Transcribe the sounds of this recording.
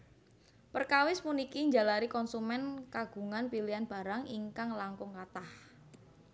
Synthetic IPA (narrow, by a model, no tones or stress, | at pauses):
pərkawɪsmunikiɲd͡ʒalaɾikɔnsumɛnkaɡ̥ṳŋanpilianb̥a̤ɾaŋiŋkaŋlaŋkʊŋkat̪ah